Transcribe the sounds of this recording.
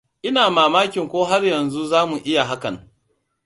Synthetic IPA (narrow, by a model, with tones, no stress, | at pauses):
ʔɪ˦naː˨maː˨maː˦kʲɪ˨ŋkʷoː˦ɦa˦rjɐ˨nzu˦zaː˦mu˨ʔɪ˦ja˨ɦa˦kɐ˨ŋ